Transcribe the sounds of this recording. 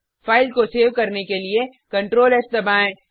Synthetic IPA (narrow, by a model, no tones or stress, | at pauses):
faːɪlkoseːʋkɐɾnekeliekɐ̃ɳʈɾoːlɛsd̪ɐbaːẽː